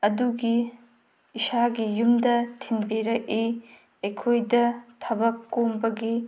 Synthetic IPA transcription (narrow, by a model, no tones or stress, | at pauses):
ɐduɡiː | saɡijumdɐtʰinbiɾɐk̚i | ɐjkʰojdɐtʰɐbɐkːombɐɡi